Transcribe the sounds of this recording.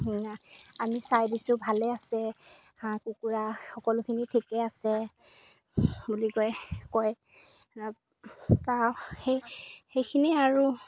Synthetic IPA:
amisajdisʊbʱalɛasɛ | hãkukuɹaxɔkɔlʊkʰinitʰikɛasɛ | bulikɔjkɔj | taxejxejkʰiniaɹu

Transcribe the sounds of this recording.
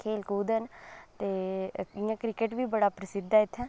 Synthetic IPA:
kʰeːlkuːd̪ənt̪eːɪjãːkɾɪkeʈʋiːbəɽaːpɾəsɪd̪aːɪt̪ʰːɛ̃ː

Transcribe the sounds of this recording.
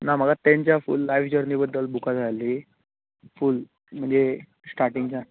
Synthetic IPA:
nam̤əɡat̪ãɲt͡ɕjafṵlːajʋd͡ʑəɾnibəd̪ːəlbukad͡zʱali | ful | m̤əɳd͡ze | sʈaɾʈiŋɡd͡ʑa

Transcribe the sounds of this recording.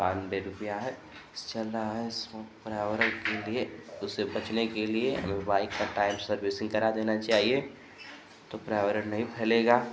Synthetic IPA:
aːnbeɾʊpijaɦɛ | st͡ʃɐlːaɦɛsmɔːkpɾaːʋəɾəɾkelieʊsebɐt͡ʃnekelieɐ̰mebaːɪkːaʈaːɪmsɐɾbɪsɪ̃ŋɡkɐɾad̪eːnat͡ʃaːɦie | t̪opɾaːʋɾəɽnɐɦĩpʰɛːleːɡaː

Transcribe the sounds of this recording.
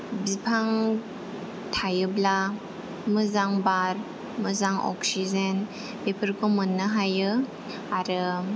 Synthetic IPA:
bipʰaŋ | tʰajɯbla | mɯzaŋbaɾ | mɯzaŋɔ̰ksizen | pepʰəɾkʰomɯnːɯɦajɯ | aɾɯ

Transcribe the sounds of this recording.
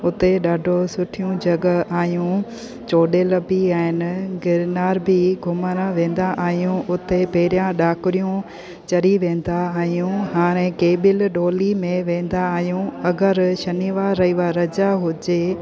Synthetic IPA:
ʊt̪eɗaːɖʱosʊʈʰijũd͡ʑɐɡaːɦjũ | t͡ɕoːɗelɐbiaːɦɪnɪ̆ɡɪɾnaːɾbʱɪɡʱʊmənʋẽːn̆d̪aʔaːɦijũʔʊt̪epɐɦɪɾjãɗaːkɪɾijũ | t͡ɕɐɾiʋẽːn̆d̪aaːɦijũɦaːɾ̃ẽkeːbɪlɗoːlimẽʋẽːn̆d̪aːɦijũɐɡəɾʃɐniːʋaːɾːɐiʋaɾɐd͡ʑaɦʊd͡ʑeː

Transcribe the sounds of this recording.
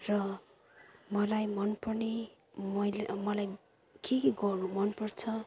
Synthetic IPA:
rʌ | mʌlajmʌnpʌrne | mʌlmʌlaj | kekiɡʌrnumʌnpʌrt͡sʰʌ

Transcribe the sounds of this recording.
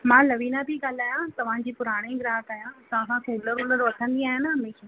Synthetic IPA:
mãːlɐʋiːnabʱiɡaːl̤aːjãt̪ɐʋ̤ãd͡ʑiːpʊɾaːɽ̃eɡɪɾaːɦəʈ̪aːjãt̪ɐ̤ãsãkuːləɾʊləɾʋɐkʰə̃nd̪iaːɦɪnɦɐmeːʃa

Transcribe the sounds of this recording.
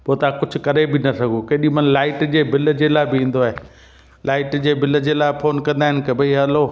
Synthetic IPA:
poːt̪ɐãkʊd͡ʑʱʊ̆kɐɾebɪnɐsɐɡʱokeːɗĩmɐnlaːɪʈd͡ʑeːbɪld͡ʑeːlaːɪbɪĩːn̆d̪oaɦeː | laːɪʈd͡ʑeːbɪləd͡ʑeːlaːɪfʰoːnkɐ̃nd̪aːɦɪnɪ̆kɐbʱɐiɦaloː

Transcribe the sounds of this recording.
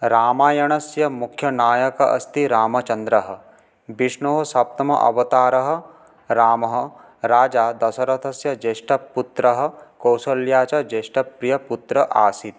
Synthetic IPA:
ɾaːmaːjɐɳɐsjɐmukʰjɐnaːjɐkɐʔɐ̰st̪iɾaːmɐt͡ʃɐnd̪ɾɐɦɐ̆ | biʂɳoɦɐsɐp̚t̪ɐmɐ̰ʔɐ̰ʋɐt̪aːɾɐɦɐ̆ | ɾaːmɐɦɐ̆ | ɾaːd͡ʒaːd̪ɐsɐɾɐt̪ʰɐsjɐd͡ʒeːʂʈɐpːut̪ɾɐɦɐ̆kɐwsɐljaːt͡ʃɐd͡ʒeːʂʈɐpɾijɐput̪ɾɐʔaːsit̪

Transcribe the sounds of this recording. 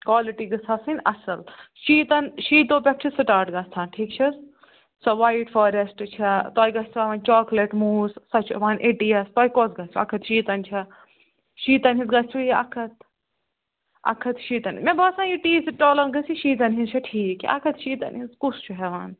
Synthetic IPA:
kwaːliʈiɡɐsʰɐsinɐsɐlʃiːt̪ɐnʃiːt̪oːpʲɐp̚t͡ʃʰisɨʈaːɾʈɡɐst̪ʰaːnʈʰiːkt͡ʃʰis | sɔʋaːiʈfɔːɾesʈt͡ʃʰɐt̪oːjɡɐst͡ʃʰɛʋaːnt͡ʃɔːkleʈmuːzsɐt͡ʃʰuʋaːnʔeʈiɐst̪ɔːjkoːsɡɐst͡ʃʰɐ̰kʰɐt̪ʃiːt̪ɐnt͡ʃʰɐ | ʃiːt̪ɐnɦizɡɐst͡ʃʰuɐ̰kʰɐt̪ | ɐ̰kʰɐt̪ʃiːt̪ɐnmẽbɐsãniʈiːsʈoːlɐnɡɐsiʃiːt̪̬ɐnɦizt͡ʃʰɐʈʰiːkʔɐ̰kʰɐt̪ʃiːt̪ɐ̰nhiskust͡ʃʰuɦɛʋaːn

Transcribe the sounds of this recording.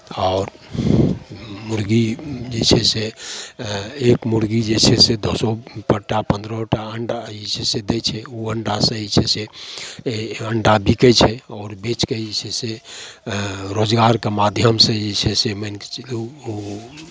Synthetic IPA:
ɔːɾ | muɾɡid͡ʒet͡ʃʰɛse | ekmuɾɡid͡ʒet͡ʃʰɛsed̪ɔsopəʈːapə̃nd̪ɾɔʈaəɳɖait͡ʃʰɛsed̪et͡ʃʰɛuəɳɖasə̃it͡ʃʰɛse | əɳɖabikɛt͡ʃʰɛɔːɾbet͡ʃkeit͡ʃʰɛse | ɾod͡ʒɡaɾkemad̪ʱjəmsẽd͡ʒet͡ʃʰɛsemənke̥t͡ʃluu

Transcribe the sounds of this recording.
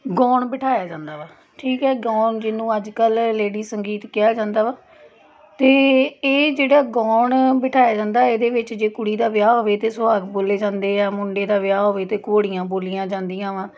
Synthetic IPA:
ɡɔːɳbɪʈʰaːjaːd͡ʒãːnd̪aːʋaː | ʈʰiːkɦɛːɡɔːɳd͡ʒɪnũːəd͡ʒkəlːeːɽiːsəŋɡiːt̪kɪjaːd͡ʒãːnd̪aːʋaː | t̪eːeːd͡ʒeːɽaːɡɔːɳbɪʈʰaːjaːd͡ʒãːnd̪aːeːd̪eːʋɪt͡ʃd͡ʒeːkʊɽiːd̪aːʋɪjaːɦoːʋeːt̪eːsʊʋaːɡboːleːd͡ʒãːnd̪eːɛːmʊɳɖeːd̪aːʋjaːɦoːʋeːt̪eːkoːɽijãːboːlijãːd͡ʒãːnd̪ɪjãːʋãː

